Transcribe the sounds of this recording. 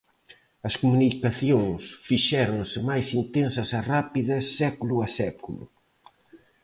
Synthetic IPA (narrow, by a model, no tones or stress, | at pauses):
ɐskumunikaθjoŋsfiʃɛɾõŋsɪmajsint̪ensɐsɐrapiðɐssːɛkulʊɐsɛkulʊ̰